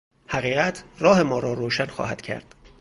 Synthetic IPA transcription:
hæɣiːɣæt̪ʰrɒːhe̞mɒːɾɒːɾoːʃænxɒ̰ːhæd̪̥cʰæ̰ɾd̪̥

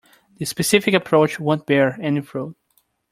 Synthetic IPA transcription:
ðɨspɨsɪfɪkəpʰɹ̥oʊt͡ʃwõnt̚b̥ɛɹɛnifɹud̥̚

